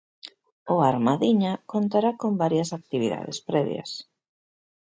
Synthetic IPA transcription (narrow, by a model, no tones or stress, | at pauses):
ʊaɾmaðiɲakont̪aɾakombaɾjasak̚t̪iβiða̰ðḛspɾɛβj̰a̰s